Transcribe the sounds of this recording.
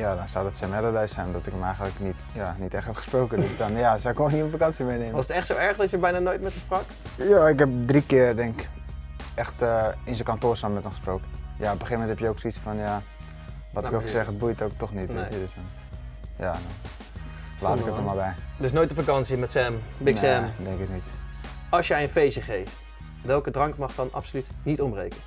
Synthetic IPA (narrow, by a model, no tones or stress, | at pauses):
jadɔnsɔwdɔtsɛmɛlədɛjsɛjnɔmdɔtɪkəmɛjɣəntləknit | janitɛxtɛtχə̥sproːkədsdɔnjasɔɪkʋoːniəənfakɑnsijəmejneːmɔsətɛxtsoɛɹxdɔtjəbɛjnanojtmɛtəsprɔk | jaɪkhɛp̚drikɪərdɛŋkk | ɛxtəinsəkantoːrsɔnmɛtənxə̥sprokjaopbəxeːəmɛnt̚ɦɛpjəoːksisfɔnja | ʋɔtɪkosɛxəd̚bujtowk̚tɔxnitːədsn | jadɔn | laːtɪkəɔmalˠbɛjdøs̬nojt̚dəfakɑnsimɛtsɛmbɪsɛmdɛŋkɪknit | ɑlˠsjɛjənfejsəχejft | ʋɛlˠkədrɑŋkmɑχdɑnɑ̰psolytnitɔmrejkə